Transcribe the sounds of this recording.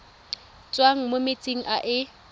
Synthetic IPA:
t͡sʼwaŋ̩momɪt͡sʼiŋ̩ʔaʔɪ

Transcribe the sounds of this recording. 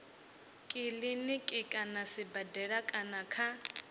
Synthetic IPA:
kʼɪlɪnɪkʼɪkʼanasɪbadɛɺakʼanakʰa

